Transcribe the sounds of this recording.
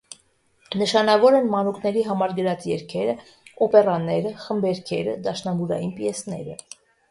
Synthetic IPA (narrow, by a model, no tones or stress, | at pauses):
nəʃɑnɑvɔɾɛnmɑnukʰnɛɾiɦɑmɑɾɡəɾɑt͡sjɛɾkʰɛɾə | ɔpɛrɑnɛɾəχəmbɛɾkʰɛɾəd̪ɑʃnɑmuɾɑjinpjɛsnɛɾə